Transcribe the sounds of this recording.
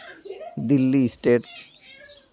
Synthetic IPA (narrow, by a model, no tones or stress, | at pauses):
d̪ilːisʈeːʈs